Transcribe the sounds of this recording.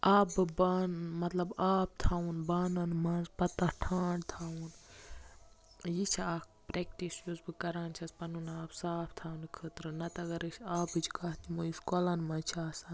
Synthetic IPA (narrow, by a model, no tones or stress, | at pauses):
aːbɨbaːnmɐt̪lɐbaːp̚t̪ʰaːunbaːnɐnmɐnzpɐt̪ːɐʈʰãːɳɖt̪ʰaːun | jit͡ʃʰiaːkpɾeːkʈisjuzbɨkɐɾaːnt͡ʃʰɐspɐnunaːpsaːpʰt̪ʰaːunkʰət̪ɾɨnɐt̪ɐɡɐɾɨt͡ʃaːbɨt͡ʃʰikaːɦt̪imuiskoːlanmɐt͡ʃʰaːsɐn